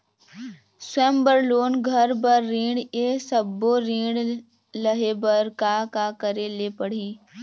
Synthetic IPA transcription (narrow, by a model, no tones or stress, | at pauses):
swɛ̃ːmbəɾloːnɡʱəɾbəɾːĩːɽesəbːoɾĩːɽ | ləɦebəɾkakakəɾelepəɽ̤iː